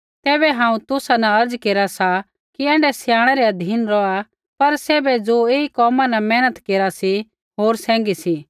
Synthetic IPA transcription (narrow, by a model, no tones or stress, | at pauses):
t̪ɛːbɛɦãːũt̪ʊsanaɐɾd͡zkeːɾasa | kiɛ̃ːɳɖɛsɪjãːɽ̃ɛɾɛɐd̪ʱiːnɾɔa | pɐɾsɛːbɛd͡zoeːikɔːmãnɛmɛ̃ːnət̪keːɾasi | ɦoːɾsɛ̃ːŋɡisi